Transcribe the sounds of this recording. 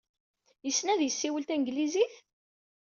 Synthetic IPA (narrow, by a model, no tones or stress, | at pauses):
jəsːnæðjəsːiwəlt̪ænɡliziθ